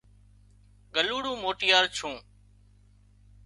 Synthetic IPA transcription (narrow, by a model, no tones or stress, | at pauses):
ɡəluːɽũːmoːʈɪjaːɾt͡ʃʰũː